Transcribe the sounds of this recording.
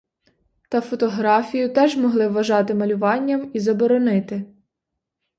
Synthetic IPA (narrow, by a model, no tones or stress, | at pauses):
t̪ɐfɔt̪ɔɦɾɑfʲijʊt̪ɛʒmɔɦlˠɪʋːɐʒɑt̪ɪmɐlʲʊʋɑnʲːɐmizɐbɔɾɔnɪt̪ɪ